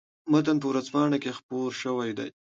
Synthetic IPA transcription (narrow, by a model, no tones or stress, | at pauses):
mat̪anp̬əwɾazpɑːɳakexpoɾʃəwajd̪a̰j